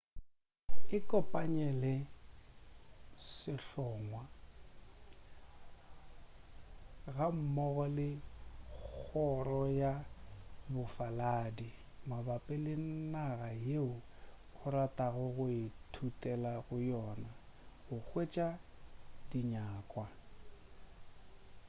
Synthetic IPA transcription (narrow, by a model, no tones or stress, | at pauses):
ɪkʼɔpʼaɲɛlɛ | sɪɬɔːŋwa | ɣam̩mɔɣɔlɪ | k͡xɔrɔja | bʊfalaːdi | mabapʼɛlɪn̩naɣajeʊɣʊɾatʼaɣʊɣʊɪtʰutʼɛlaɣʊjɔːnaɣʊk͡xwet͡ʃʼa | d̥iɲaːkʼwa